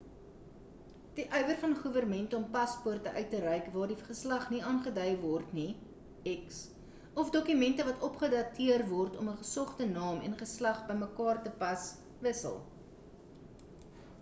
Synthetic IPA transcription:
d̥iʔœɥvərfɐnχuvərmɛntəɔmpɐspurtəʔœɥtːəɾœjkvɑːrdiχəslɐχniɑːnχədœjvɔrtni | ɛks | ɔfdɔkymɛntəvɐtɔpχədɐtʰiərvɔrtɔməχəsɔχtənɑːmɛ̰nχəslɐχbəjməkɑːrtəpɐs | vəsə̰lˠ

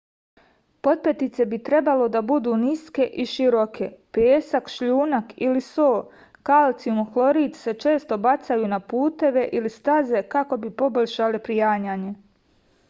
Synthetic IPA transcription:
po̞t̪̚pet̪it̪se̞bit̪ɾe̞balo̞d̪abud̪uːniske̞ʔiʃiɾokʰe̞peːsakʃʎuːnakilisoː | kalt̪siumxlˠo̞ɾiːt̪se̞t͡ʃe̞ːst̪o̞bat̪sajuːnapuːt̪e̞ʋe̞ʔilist̪aze̞kako̞bipo̞boʎʲʃalepɾijaːɲaːɲe

